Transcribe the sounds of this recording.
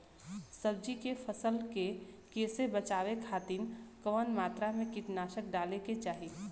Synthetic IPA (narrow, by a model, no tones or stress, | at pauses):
səbd͡ʒikefʰəsəlkekeːsebət͡ʃaːʋekʰaːt̪inkəʋənmaːt̪ɾamẽkɪʈnaːʃək̚ɖaːleket͡ʃaːɦi